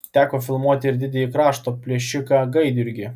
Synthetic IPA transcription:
t̪ʲæːkoːfʲɪlˠmuɔt̪ʲɪɪɾʲd̪ʲɪd̪ʲɛjikɾɑːʃt̪oːpʲlʲiɛʃʲɪkɑɡɐɪd̪ʲʊɾʲɡʲɪ

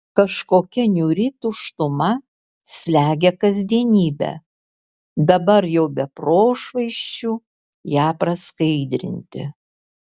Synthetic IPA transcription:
kɐʃkoːkʲɛnʲuːɾʲɪt̪uʃt̪ʊmɐ | sʲlʲæːɡʲɛkɐzʲd̪ʲiɛnʲiːbʲɛ̰ | d̪ɐbɐɾjɛʊbʲɛpɾoːʃʋɐɪʃʲt͡ʃʲu | jæːpɾɐskɐɪd̪ʲɾʲɪ̰nʲt̪ʲɪ̰

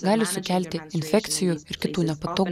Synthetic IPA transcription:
ɡɑːlʲɪsʊkʲæˑlʲt̪ʲɪɪnʲfʲɛkt̪sʲɪjuːɪɾkʲɪt̪uːnʲɛpɐt̪oːɡ

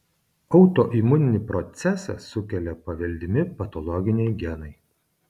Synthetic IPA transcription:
ɒʊt̪oʔiːmʊnʲɪnʲɪpɾɔt̪sʲɛsɐ̰sʊkʲɛlʲɛpɐʋʲɛlʲd̪ʲɪmʲɪpɐt̪ɔlˠɔɡʲɪnʲɛɪɡʲɛnɐɪ

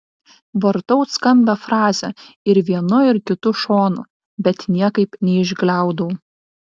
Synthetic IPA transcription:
ʋɐɾt̪ɔʊt̪skɐmʲbʲɛfɾɑːzʲɛɪɾʋʲiɛnʊɪɾkʲɪt̪ʊʃoːnʊ | bʲɛt̪nʲiɛkɐɪpnʲɛɪʒɡlʲæˑʊd̪ɐʊ

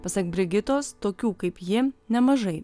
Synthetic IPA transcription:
pɐsɑkbʲɾʲɪɡʲɪt̪oːst̪oːkʲuːkɐɪpjɪnʲɛmɐʒɐɪ

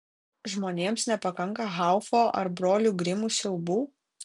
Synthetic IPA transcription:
ʒmoːnʲeːmsnʲɛpɐkɐŋˑkɐɣɑˑʊfoːʔɐ̰ɾbɾoːlʲuːɡɾʲɪmuːsʲɛʊbuː

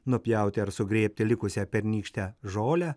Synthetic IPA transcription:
nʊpʲjɛʊt̪ʲɪɐɾsʊɡɾʲeːpʲt̪ʲɪlʲɪkʊsʲɛpʲɛɾʲnʲiːkʃʲt̪ʲɛʒoːlʲɛ

